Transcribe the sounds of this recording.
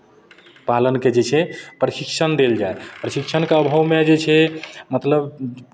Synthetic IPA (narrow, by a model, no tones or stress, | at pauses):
palənked͡ʒet͡ʃʰɛpɾəsikt͡ʃʰənd̪eld͡ʒaepɾəsikt͡ʃʰənkeəbʱəwmed͡ʒet͡ʃʰɛmət̪ləb